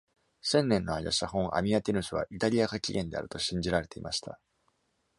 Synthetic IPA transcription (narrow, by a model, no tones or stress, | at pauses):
sẽ̞nːẽ̞nːo̞ajaɕaɦõ̞ŋʔa̰mʲiat̪ʲenɯ̟sɨβ̞a̰ʔit̪aɾʲijakakʲiɡẽ̞nd̪e̞̰a̰ɾɯ̟̥t̪o̞ɕĩɲ̟d͡ʑiɾaɾe̞t̪e̞ḭmaɕi̥t̪a̰